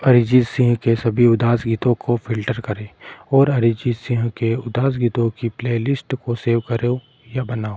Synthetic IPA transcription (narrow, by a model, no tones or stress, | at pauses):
ɐɾɪd͡ʒisɪ̃ɦkesɐbʱiʊd̪aːsɡiːt̪õkopʰɪlʈəɾkɐɾẽɔːɾɐɾɪd͡ʒisɪ̃ɦkeʊd̪aːs̬ɡiːt̪õkipleːlɪsʈkoseːʋkɐɾe | jabɐnaːo